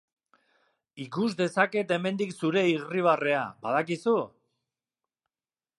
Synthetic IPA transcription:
ikuzd̪e̞sake̞t̪e̞me̞nd̪iksuɾe̞iɣriβ̞are̞abaðakisu

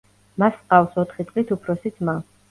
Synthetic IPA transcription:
masqʼavsɔt̪ʰχit̪sʼlit̪ʰupʰɾɔsit̪sʰma

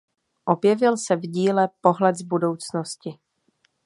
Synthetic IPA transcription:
ʔo̞bjɛvɪlsɛvɟiːlɛpo̞ɦlɛd̪zbudo̞wt͡snoscɪ

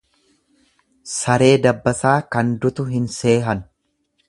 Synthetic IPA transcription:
sɐɾe̞ːd̪ɐbːɐsaːkɐnd̪ʊt̪ʊɦɪnse̞ːɦɐn

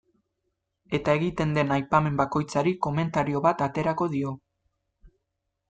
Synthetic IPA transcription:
e̞t̪ae̞ɣit̪e̞nd̪e̞najpame̞mbako̞jt͡saɾiko̞me̞nt̪aɾio̞βat̪at̪e̞ɾako̞ðio̞

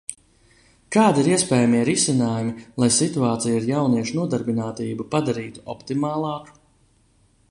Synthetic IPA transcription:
kaːd̪iɾiɛspɛːjamiɛɾisinaːjumilˠajsit̪uaːt̪sijiɾjawniɛʃunuɔd̪aɾbinaːt̪iːbupad̪aɾiːt̪u̥ɔ̰pt̪imaːlˠɑːku̥

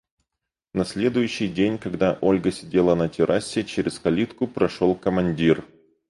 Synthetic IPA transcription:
nɐsʲlʲe̞d̪ʊjʉɕːɪjdʲenʲkɐɡd̪aʔo̞lʲɡəsʲɪdʲe̞lˠənətʲɪɾʔasʲːɪt͡ɕeɾʲɪskɐlʲit̪kʊpɾɐʂolˠkəmɐnʲdʲir

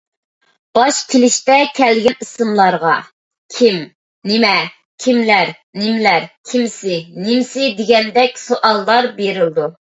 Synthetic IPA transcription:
b̥ɑʃkʲʰelɪʃt̪ɛkʲʰɛlɡʲɛnisɨmlˠɑɾʁɑ | kʲʰim | nɪmɛ | kʲʰimlæɾ | nɪmlæɾkʲʰimsɪnɪmsɪd̪ɪɡʲɛnd̪ɛkʲsoʔɑlˠːɑɾbeɾɪld̪u

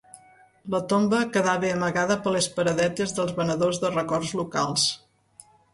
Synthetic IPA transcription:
lət̪ombəkəðaβeəməɣaðəpəlespəɾəðɛt̪ezðəlˠzβənəðozðərəkɔrzlukalˠs

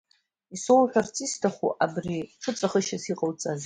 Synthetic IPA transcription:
isowħʲʷᶣart͡sʼistʰaχṵʔabriʈ͡ʂʰɨt͡sʷʼaχəʃasiqʼəlt͡sʼaz

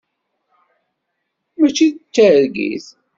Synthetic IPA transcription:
mæt͡ʃːiðt͡sːəɾɡḭθ

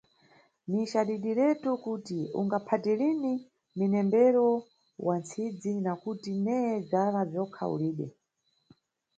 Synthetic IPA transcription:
niʃaɗiɗilɛtukutiṵŋɡapʰatɛlini | minɛmbɛɾɔ | wʔant͡sʰid͡zinakutinɛjɛd͡zalavjɔkʰa̰ṵliːɗɛ̰

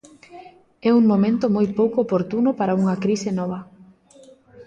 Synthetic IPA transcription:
ɛuŋmomẽnt̪ʊmojpowkoːpoɾt̪unʊpaɾauŋɐkɾisɪnɔβ̞ɐ

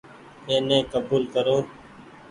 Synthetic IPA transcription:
eːnẽːkəbuːlkəɾoː

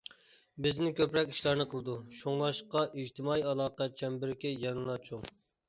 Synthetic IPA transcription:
bɪznɪkʲʰøpɾɛkʲi̥ʃlˠɑɾnɨqʰəlˠɨd̪uʃoŋlˠɑʃqɑʔid͡ʒt̪ʰɪmɑːiɑlˠɑːqɑt͡ʃʰɛmbɪɾkʲɪjɑnɨlˠɑt͡ʃʰuŋ

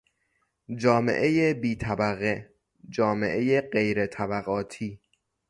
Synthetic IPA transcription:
d͡ʒɒːme̞̰ʔe̞jebiːt̪ʰæbæɣe | d͡ʒɒːme̞̰ʔe̞jeɢejɾe̞t̪ʰæbæɣɒːt̪ʰiː

